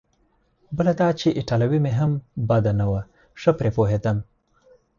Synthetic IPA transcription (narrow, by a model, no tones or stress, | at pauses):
bəlad̪ɑːt͡ʃeʔɪʈalawimeɦambad̪anawa | ʂəpɾepoɦet̪am